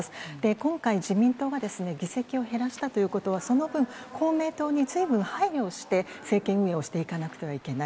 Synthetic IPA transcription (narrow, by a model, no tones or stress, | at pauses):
sɨ̥d̪̥e̞kõ̞ŋkaiʑimʲĩnt̪oːɡad̪e̞sɨne̞ɡʲise̞kʲio̞ɦe̞ɾaɕi̥t̪at̪o̞jɯ̟ːko̞t̪o̞β̞aso̞no̞bɯ̟̃ŋ | kʰo̞ːme̞ːt̪o̞ːɲ̟izɨibɯ̟̃ɰ̃haiɾʲjo̞ːɕi̥t̪e̞ | se̞ːkẽ̞ɰ̃ɯ̟e̞o̞ɕi̥t̪e̞ikanakɯ̟̥t̪e̞βaike̞nai